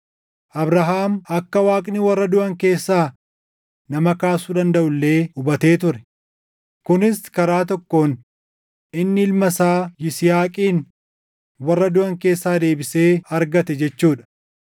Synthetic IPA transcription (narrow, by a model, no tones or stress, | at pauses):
ʔɐbɾɐɦaːmɐkːɐwaːkʼnɪwɐrːɐd̪ʊʔɐŋke̞ːsːaː | nɐmɐkaːsud̪ɐnd̪ɐʔʊlːe̞ːʊbɐt̪e̞ːt̪ʊɾɛ | kʊnɪskɐɾaːt̪̬ɔkːo̞ːn | ɪnːɪɪlmɐsaːjɪsɪjaːkʼiːn | wɐrːɐd̪ʊɐŋke̞ːsːaːd̪e̞ːbɪse̞ːɐɾɡɐt̪ɛd͡ʒɛt͡ʃːuːᶑɐ̥